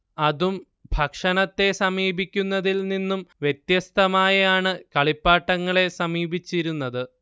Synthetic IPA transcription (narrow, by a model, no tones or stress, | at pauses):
ɐðum | bʱɐkʂɐnɐt̪ːe̞sɐmiːbʱikʲːunːɐðilninːumʋjet̪jɐst̪ʰɐmaːjɐjaːɳɨkɐɭipːaːʈːɐŋːɐɭe̞sɐmiːbit͡ɕːiɾunːɐðɨ